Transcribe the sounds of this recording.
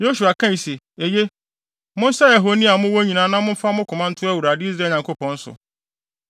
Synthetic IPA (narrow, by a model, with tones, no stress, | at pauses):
jo˦su˨a˨kʰã˦i˨se˨ | e˨je˦ | mʊ̃˦n̩˦sa˦ja˨ɦo˨nĩ˦a˨mʊ̃˦wo˦ɲĩ˨nãː˨˦nã˦mʊ̃˦fa˦mʊ̃˦kʰʊ̃˨mã˦n̩˦tʰʊ˦æ˦wu˨ɾa˨dɪ˦i˦s̬ɾa˨˦˨ɲã˨ŋkʰo˦pɔ̃˨n̩˦sʊ̰˨